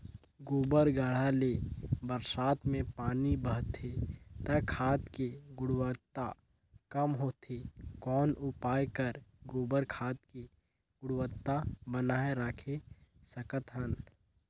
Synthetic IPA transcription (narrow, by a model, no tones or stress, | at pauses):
ɡoːbəɾɡəɽ̤aleːbəɾsaːt̪mẽpaːnibəɦt̪ʰet̪əkʰaːt̪keɡʊɽwət̪ːa | kəmɦot̪ʰekɔːnʔʊpaːjkəɾɡoːbəɾkʰaːt̪ke | ɡ̥ʊɽwət̪ːabənaːeɾaːkʰesəkət̪ɦən